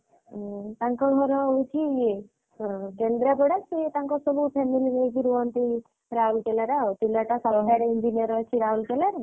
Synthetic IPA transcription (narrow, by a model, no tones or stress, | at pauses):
t̪aŋkɔɡʱɔɾɔujt̪ʰije | kend̪ɾapɔɽaset̪aŋkɔsɔbupʰemilinekiɾuɔnt̪i | ɾaulkelaɾat̪ilaʈasɔɦajɾind͡ʒinijɔɾɔjt͡ʃʰiɾaulkelaɾ